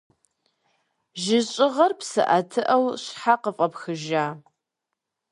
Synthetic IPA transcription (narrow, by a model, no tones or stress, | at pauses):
ʒɪɕʼɪʁɐrpsɨ̰ʔɐtʰɨʔɐwɕħaqəfʼɐpxɨʒaː